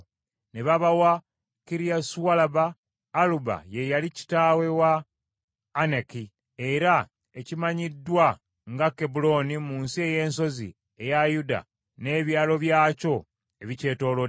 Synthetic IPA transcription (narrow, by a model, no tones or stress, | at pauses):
ne̞βaβawa | kiɾiasuwalabaː | luba̰je̞jalici̥taːwe̞waː | neki | e̞ɾa | ecimaɲidːwa | ŋɡakebulo̞nimuːnsie̞je̞ːnso̞zḭ | e̞jajuda̰ | ne̞ːβjaːlo̞βjaːco̞ | e̞βice̞ːto̞ːlo